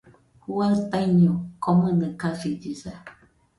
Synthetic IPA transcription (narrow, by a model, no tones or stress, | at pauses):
kuwataɲɔkɔmɨnɨkafid͡ʒisa